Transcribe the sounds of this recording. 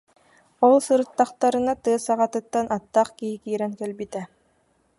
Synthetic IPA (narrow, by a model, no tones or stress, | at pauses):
olˠsɯɾɯ̆t̪ːɑqt̪ɑɾɯ̆nat̪ɯːsɑʁɑt̪ɯ̆t̪ːanʔat̪ːɑχkiɦikiːɾɛŋkɛlbit̪æ